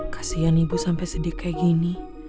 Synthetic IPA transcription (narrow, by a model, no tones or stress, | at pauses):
kʰḁsijanibusampɛjsədikajɡini